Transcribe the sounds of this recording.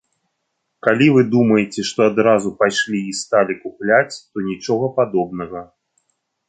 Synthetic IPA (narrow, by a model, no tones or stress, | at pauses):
kalʲivɨd̪umɐjet͡sʲɛʂt̪ɔad̪ɾazupajʂlʲiist̪alʲikuplʲat͡sʲt̪ɔnʲit͡ʂɔɣɐpad̪ɔb̚nɐɣɐ